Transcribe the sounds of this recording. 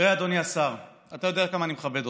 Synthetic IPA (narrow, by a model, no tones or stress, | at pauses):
ʁead̪oniasaʁ | at̪ajo̞d̪eat̚kamaːnimeχabe̞do